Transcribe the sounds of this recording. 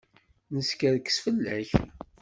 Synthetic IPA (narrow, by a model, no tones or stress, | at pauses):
nəskæðkːə̥sfəlːæç